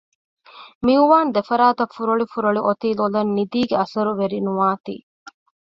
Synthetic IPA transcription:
miuʋaːnd̪efɐɾaːt̪ɐfːuɾɐɭifuɾɐɭiʔot̪iːlolɐnːid̪iːɡeɐsɐɾuʋeɾinuʋaːt̪ḭː

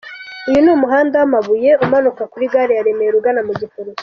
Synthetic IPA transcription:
ujunumuɦaːndamaβuje̞umanukakuɾiɡaːɾejaɾe̞mejeɾuɡanamuɟifuɾu

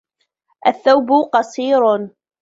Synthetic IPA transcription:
ʔaθːawbʊqɑsˤiːɾ

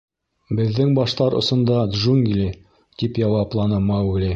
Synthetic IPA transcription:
bɘ̆ðːɘŋbɑʃt̪ɑɾŏ̰sŏnd̪ɑd̪ʒuŋɡlʲi | t̪ipjɑwɑplˠɑnɤmɑɡlʲi

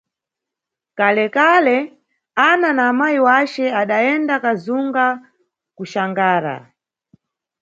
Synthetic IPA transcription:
kalɛkalɛ | ananaːmajiwat͡ʃɛaɗaɛndakazuŋɡa | kuʃaŋɡaːɾa̰

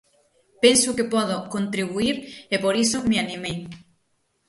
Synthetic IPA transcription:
pensukepoðokont̪ɾiβuiɾepoɾisomeanĩmej

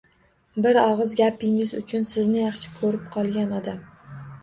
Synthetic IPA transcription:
bɪɾɒʁɨzɡʲapɪŋɪzʊt͡ʃʰʊnsɪznɪjɑχʃɪ̥kʰɵɾɪp̚qʰɒlˠɡʲanɒd̪am

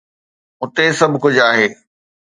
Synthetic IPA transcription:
ʊt̪esɐbʱkʊd͡ʑaːɦeː

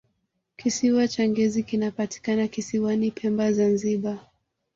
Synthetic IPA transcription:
kisiwat͡ʃaŋɡɛzikinapati̥kanakisiwanipʰɛmbazanziɓa

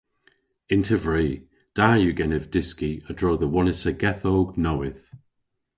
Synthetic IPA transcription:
ɪntʰəvɹiː | d̥aːjuːɡɛnɛvdɪskiədɹoːðəwɔnɪsəɡɛθoːɡnowɪθ

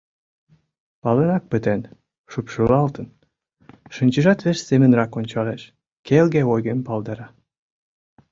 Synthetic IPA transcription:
pɑlenɑk̚pət̪en | ʃupʃəlɑlt̪ən | ʃɤ̆nʲt͡ɕə̆ʒɑt̪βeʃsemə̆nrɑkonʲt͡ɕɑleʃ | kelɡeojɣempɑld̪ɑɾɑ

